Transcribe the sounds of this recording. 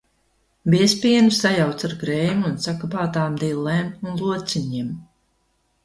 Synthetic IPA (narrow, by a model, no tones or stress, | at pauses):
biɛspʲiɛnusajawt̪saɾɡɾɛjmunsakapaːt̪aːmd̪ilːɛːmunlˠuɔt̪siɲim